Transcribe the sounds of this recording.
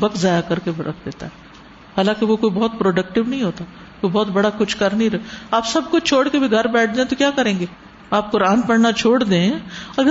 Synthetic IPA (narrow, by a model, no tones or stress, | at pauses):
bɐkzaːjakɐɾkebɐɾə̰kʰd̪eːt̪aɦɛ | haːlãːkeʋokoːibɔːt̪̚pɾoːɖɐk̚ʈɪʋnɐɦĩɦoːt̪a | koːibɔːt̪̚bɐɽakʊt͡ʃʰkɐɾnĩɾɐaːpsɐb̚kʊt͡ʃʰoːɽkebʱiɡʱɐɾbɛːʈ̚ʰd͡ʒ̪ãːẽt̪okjaːkɐɾẽːŋɡeː | aːp̚koɾãːnpɐɽnat͡ʃʰoːɽd̪ẽːɐɡə